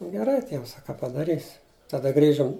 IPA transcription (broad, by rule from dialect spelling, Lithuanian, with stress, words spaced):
ɡʲɛˈrɐɪ ˈtʲiɛms ɐ kɐ pɐdɐˈrʲiːsʲɪ tɐˈdɐ ˈɡrʲiːʒʊm